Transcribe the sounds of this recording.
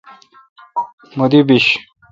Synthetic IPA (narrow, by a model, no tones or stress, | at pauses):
mod̪ibiɕ